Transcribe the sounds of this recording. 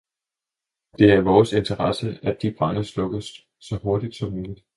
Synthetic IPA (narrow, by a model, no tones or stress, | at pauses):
d̥e̝æɐʋɒːse̝nt͡sʰəʁɑsəæd̥ːib̥ʁɑnəslɔ̽ɡ̥əsːɒ̽ho̝ɐd̥id̥sɒ̽muːlid̥